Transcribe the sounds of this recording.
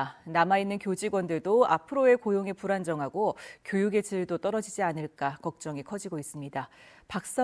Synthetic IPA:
namainːɯnkjod͡ʑiɡwʌndɯɭdoa̰pʰɯɾoe̞kojoŋepuɾand͡ʑʌŋɦaɡokjojuɡe̞t͡ɕʰiɯɭdot͈ʌɾʌd͡ʑid͡ʑianɯɭk͈akʌk̚t͡ɕ͈ʌŋekʰʌd͡ʑiɡois͈ɯmɲida | pak̚s͈ʌ

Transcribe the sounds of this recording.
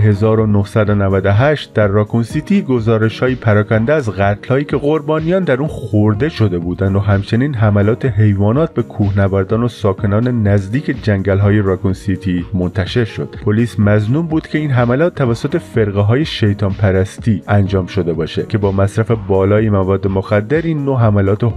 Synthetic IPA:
ɦe̞zɒːɾo̞nohsæd̪o̞nævæd̪oɦæʃt̪̚d̪æɾːɒːkunsit̪ʰiɡo̞zɒːɾe̞ʃhɒːjipʰæɾɒːkʰænd̪eæzɣæt̪ʰl̥hɒːjiːcʰe̞ɣo̞ɾbɒːnijɒːnd̪æɾuːnxoɾd̪e̞ʃo̞d̪e̞buːd̪ænd̪oɦæmt͡ʃʰe̞niːnɦæmælɒːt̪ʰe̞ɦejvɒːnɒːt̪̚be̞kʰuːhnævæɾd̪ɒːno̞sɒːkʰe̞nɒːne̞næzd̪iːcʰe̞d͡ʒæŋɟælɦɒːje̞ɾɑkunsit̪ʰimo̞nt̪ʰæʃe̞ɾʃo̞d̪̥pʰoliːsmæznuːmbuːd̪̥kcʰe̞iːnɦæmælɒːt̪ʰːævæsːot̪e̞fe̞ɾɣeɦɒːje̞ʃe̞jt̪ʰɒːmpʰæɾæst̪ʰiːænd͡ʒɒːmʃo̞d̪e̞bɒːʃecʰe̞bɒːmæsɾæfebɒːlɒːjemævɒːd̪ːemoxæd̪ːe̞ɾiːnːoɦæmælɒːt̪ʰe

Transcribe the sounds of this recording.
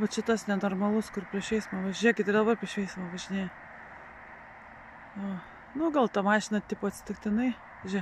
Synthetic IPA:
bɐt͡ʃʲɪt̪ɐsnʲɛnoːrmɐlˠʊskʊrpʲɾʲiɛʃʲʋʲɛɪsmɐːʋɐʒʲiɛkʲɪt̪ɪrd̪ɐbɐrpʲɾʲiɛʃʋʲɛɪsmɐʋɐʒʲɪnʲeːj | joː | nʊɡɐlˠt̪ɐmɑːʃʲɪnɐt̪ʲɪput̪ʲsʲɪ̥t̪ʲɪkt̪ʲɪnɐɪ | ʒʲɛ

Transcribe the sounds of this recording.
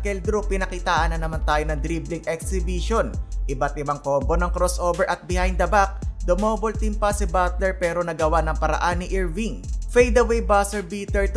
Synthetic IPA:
kɛld̪ɾupɪnɐkit̪aːʔɐnːɐnɐmant̪aːjonɐŋd̪ɾiblɪŋʔɛk̚sɪbiʃo̞nʔɪbat̪̚ʔɪbaŋkoːbo̞nɐŋkɾosʔoːbɛɹʔɐt̪̚bɪhajnd̪ɐbak̚d̪omoːbolt̪impɐsɪbat̪lɛɹpɛːɾo̞nɐɡɐwanɐŋpɐɾɐ̰ʔanːɪʔiɹviŋfɛjd̪ɐwejbasɛɹbiːt̪ɛɹt̪

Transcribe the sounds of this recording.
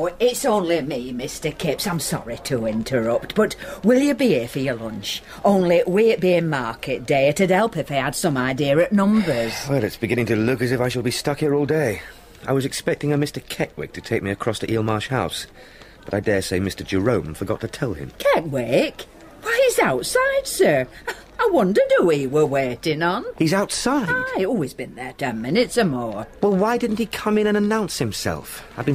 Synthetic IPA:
ɪtsõʊ̃nlimimɪstə˞kʰɪpsãɪ̃msɑ̰ɹɪtʰəɪ̃ntʰə˞ʌp̚t̚b̥ʌtwɪlˠjɨbiɪfəjəlʌ̃nt͡ʃ | ʔõʊ̃nliʔwiɨʔb̥iɪ̃nmɑɹkɨt̚d̥eɪɨɾɨdɛlˠpɨfeɪəd̥sʌ̃maɪdiəɹɨʔnʌ̃mbə˞z̥wɛlˠɨtsb̥ɨɡɪ̃ñɪ̃ŋtʰɨlʊkɨzɨfaɪʃəlˠbistʌkhiɹɔlˠdeɪ | a̰ɪwʌzɨkspɛk̚tɪ̃ŋɨmɪstə˞kʰɛʔ̚wɪ̰k̚tʰɨtʰeɪk̚miɨkʰɹ̥ɔsðiʔilˠmɑɹʃhaʊs | b̥ʌɾaɪdɛɹseɪmɪstə˞d͡ʒɨɹõʊ̃mfə˞ɡɑ̰tʰɨtʰɛlˠɪ̰̃mkʰɛk̚wek | waɪizaʊtsaɪd̥sɜ˞ | aɪwʌ̃ndə˞duiwə˞wɛɾɪ̃ŋə̃nhizaʊtsaɪadɪɔlˠwizbɨ̃nðə˞tʰɛ̃nmɪ̃nɨtsə˞mɔɹwɛlˠwaɪdɪdⁿn̩thikʰʌ̃mɨ̃ñɨ̃nənãʊ̃nshɨ̃msɛ̰lˠfaɪbɨ̃n

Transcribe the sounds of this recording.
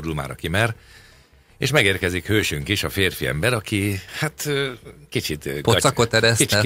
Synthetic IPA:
ɾulma̰ːɾɒ̰kimɛr | ḛːʃmɛɡeːrkɛzikhøːʃyŋkiʃɒfeːrfiɛ̰mbɛɾɒkʰihat̪ːkit͡ʃit̪posɒkot̪ɛɾɛsi

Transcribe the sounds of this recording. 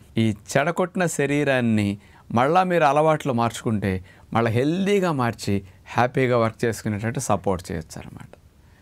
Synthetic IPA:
iːt͡ʃɛɽɐkɔʈnɐʃɐɾiːɾaːnːi | mɐɭːaːmiːɾuɐlɐʋaːʈloːmaːɾt͡ʃu̥kuɳʈe̞ːmʔɐɭːɐɦe̞ld̪iːɡaːmaːɾt͡ʃihaːpiːɡaːʋɐɾk̚t͡ʃe̞ːsu̥kunːɐʈːɐɳʈesɐpo̞ːɾʈ̚t͡ʃɛ̰ːjɐt͡ʃːa̰ːnɐ̰ma̰ːʈɐ̥

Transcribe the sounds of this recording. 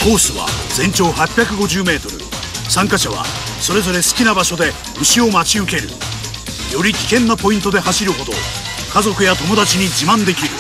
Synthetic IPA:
ko̞ːsɨβa̰d͡zẽ̞ɲ̟t͡ɕo̞ːhapʲjakɯ̟ɡo̞ʑɨːme̞ːt̪o̞ɾɯ̰ | sãŋkaɕaβa̰ | so̞ɾe̞zo̞ɾe̞sɨ̥kʲinabaɕo̞d̪e̞ | ɯ̟ɕio̞mat͡ɕiɯ̟ke̞ɾɯ̟̰ | jo̞ɾʲikʲi̥kẽ̞nːapo̞ĩnt̪o̞d̪e̞ɦaɕiɾɯ̟ɦo̞d̪o̞̰ | kazo̞kɯ̟jat̪o̞mo̞d̪at͡ɕiɲ̟id͡ʑimãnd̪e̞kʲiɾɯ̟

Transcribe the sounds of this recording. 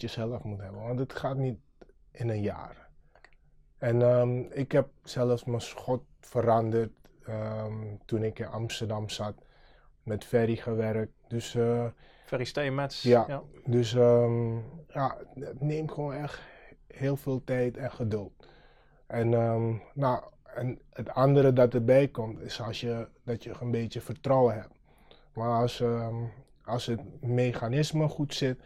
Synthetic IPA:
jəsɛlˠəfmutɦɛbəʋɔntətxaːtnit̚ | ɪnənja̰ːr | ɛnəɪkhɛp̚sɛlˠəfsmənsxɔt̚fəɾandərtə | unɪkɪnamstərdamsat | mɛtfɛɾixəʋɛɾək̚t̚døs | fɛristejmɛsjadøsə | jaətneːmxoːnɛxtheːlˠfeːlˠtɛjtɛnxədølˠt | ʔɛnənaɛnətandəɾədɔtərbɛjkɔmtɪsɔsjəd̥ɔtjəxənbeːtjəfərtrɔwəɦɛp̚ | mars | ɔlˠsətmeːxanɪsməxutsɪt̚

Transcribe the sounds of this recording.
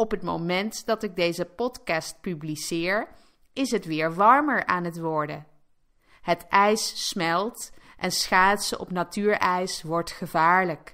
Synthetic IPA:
ɔpɦətmo̰wmɛntd̥ɑtɪɡ̚dejzəpɔtkɑst̚pyblisɪːɹ | ɪsɦətʋɪːɹʋɑɹməɹa̰ːnɦətʋɔɹdə | ɦətɛjssmɛlˠtʔɛnsχaːtsəʔɔ̰pnatyːɹɛjsʋɔɹtχəvaːɹlək

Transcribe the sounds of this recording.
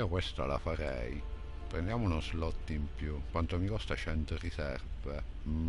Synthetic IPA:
okwest̪a̰la̰faɾɛ̰j | pɾḛnd̪jaːmounozlɔt̪ːimpjukwant̪omikɔst̪at͡ʃɛnt̪orisɛrve

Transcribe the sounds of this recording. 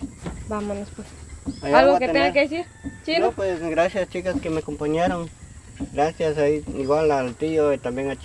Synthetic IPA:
bamonospwesajalɣoket̪eŋɡakeesiɾt͡ʃinopwesɡɾasjast͡ʃikaskemeakompaɲjaɾoŋ | ɡɾasjasaiiwalalt̪ioit̪ambjeŋat͡ʃ

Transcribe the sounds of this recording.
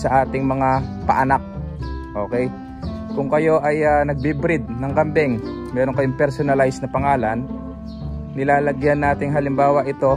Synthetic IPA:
sɐʔaːt̪ɪŋmɐŋapɐ̰ʔɐnak̚ʔo̞ːkɛj | kʊŋkɐjo̞ʔɐjaːnɐɡ̚bɪbɾɪd̪̚nɐŋkɐmbɛŋ | mɛːɾoŋkɐjoŋpɛɾsonɐlajsnɐpɐŋaːlɐnː | ɪlaːlɐɡjanːaːt̪ɪŋɦɐlɪmbaːwɐʔɪt̪o̞

